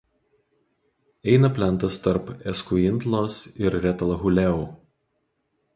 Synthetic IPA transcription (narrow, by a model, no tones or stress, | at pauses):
ɛɪnɐpʲlʲɛnˑt̪ɐst̪ɐɾpɛskʊɪnt̪lˠoːsɪɾɾʲɛt̪ɐlˠɣʊlʲɛuː